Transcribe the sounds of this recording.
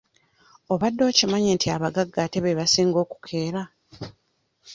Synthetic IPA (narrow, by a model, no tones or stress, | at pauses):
o̞βadːo̞ːcimaɲeːntʰiaβaɡaɡːate̞βeβasiːŋɡo̞ːku̥kʰe̞ːɾa